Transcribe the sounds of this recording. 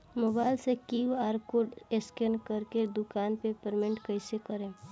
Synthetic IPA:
moːbaːɪlsekiwaːɾkoɾɖeskenkəɾked̪ʊkaːnpepəɾmẽɳʈkəɪsekəɾẽː

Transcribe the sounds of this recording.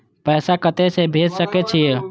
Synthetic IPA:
pəjsakət̪ɛsẽbʱed͡ʒsəkɛt͡ʃʰije

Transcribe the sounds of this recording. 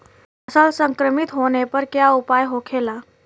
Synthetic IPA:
əsalsəŋkɾəmit̪ɦonepəɾkjaupajɦokʰela

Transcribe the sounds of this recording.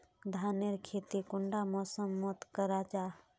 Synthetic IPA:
d̪ʱaːneɾkʰeːt̪ikʊɳɖamɔːsəmːɔt̪kəɾad͡ʒaː

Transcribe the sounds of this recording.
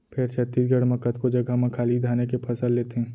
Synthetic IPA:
pʰɪɾt͡ʃʰət̪ːiːsɡəɽməkət̪kod͡ʒɐɡʱamɐ̃kʰaːlid̪ʱaːnekepʰɐsəlːeːt̪eɦɛ̃ː

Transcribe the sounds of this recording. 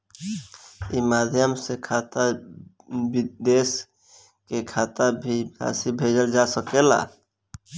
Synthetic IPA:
imaːd̪ʱjəmsekʰat̪a | bd̪eːs | kekʰaːt̪abʱia̰ːsibʱeːd͡ʒəld͡ʒasəkela̰

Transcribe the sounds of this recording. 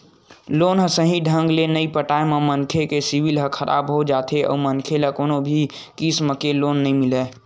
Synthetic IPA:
loːnɦəsəɦĩɖʱə̃ŋɡlenəipəʈaememənkʰekesiwilɦəkʰəɾʔa̰bɦod͡ʒat̪ʰeʔɔ̰ːmənkʰeləkoːnobʱi | kisməkeloːnːəĩmɪlɛ

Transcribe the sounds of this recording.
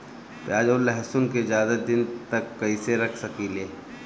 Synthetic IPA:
pjaːd͡ʒoːlɛɦsʊnked͡ʒjaːd̪əd̪ɪnt̪ɐkːɐiseɾɐkʰsɐkileː

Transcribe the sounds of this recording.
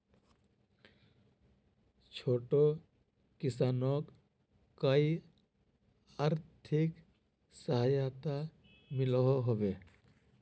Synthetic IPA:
t͡ʃʰoːʈo | kɪsaːnɔk | kəi | aːɾt̪ʰɪk | səɦajat̪a | mɪlɦɔɦoʋe

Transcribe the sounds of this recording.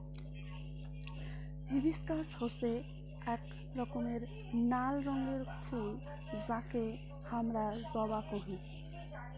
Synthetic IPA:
bibiskashɔse | ɛk | ɾɔkɔmeɾ | nalɾɔŋɡeɾkʰu | zake | hamɾazɔbakɔɦĩ

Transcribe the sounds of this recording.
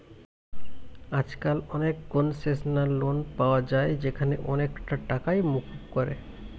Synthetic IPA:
ad͡ʒkalɔnek̚ɡonsesnalonpawad͡ʒaed͡ʒekʰaneʔɔnekʈaʈakaimukukɔɾḛ

